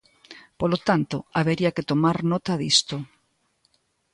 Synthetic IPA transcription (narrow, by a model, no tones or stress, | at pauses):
polot̪ant̪oaβeɾiaket̪omaɾnɔt̪aðist̪o